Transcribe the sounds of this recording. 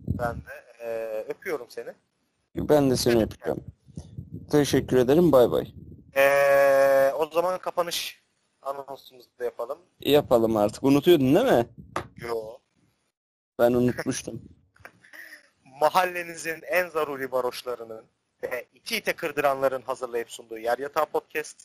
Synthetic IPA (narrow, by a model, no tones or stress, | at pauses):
bænd̪ɛː | øpʰyjo̞ɾumse̞nɪ | bænd̪ɛse̞niøpʰyd͡ʒo̰m | t̪ʰeʃɛcːyɾe̞d̪eɾimbajba̰jɛː | o̞zamankʰapʰanɯʃ | anasumuzd̪ajapʰalˠɯm | japʰalˠɯmaɾt̪ʰɯ̥kunut̪ʰujo̞d̪umd̪emɪjo | b̥ænunut̪muʃt̪ʰum | maɦalʲːe̞nizinænzaɾuːɾibaɾo̞ʃlˠaɾɯnɯn | ɛit̪ʰiːt̪ʰɛkʰɯɾd̪ɯɾanlˠaɾɯnɦazɯɾlˠajɯpsund̪uːjæɾjat̪ʰapʰot̪̚cʰɛst̪